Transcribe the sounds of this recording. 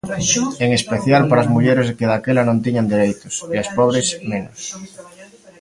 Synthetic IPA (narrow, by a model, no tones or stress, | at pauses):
eŋespeθjalpaɾazmuʎeɾeskeðakelanõnt̪̬iɲand̪eɾejt̪o̥seaspoβ̞ɾesmẽnos